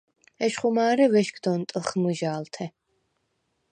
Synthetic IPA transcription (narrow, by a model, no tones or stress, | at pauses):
ɛʃχumaːɾɛvɛʃkd̪ɔnt̪ʼlˠχmɨʒaːlt̪ʰɛ